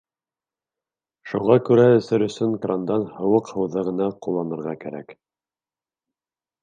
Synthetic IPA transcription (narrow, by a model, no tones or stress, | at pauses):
ʃuʁɑkʉɾæɵ̆θɘɾɵ̆sɵŋkrand̪ɑnhɤ̆wɤqhɤ̆wðɤʁɤ̆nɑqulˠːɑnɤ̆ɾʁɑkæ̰ɾæ̰k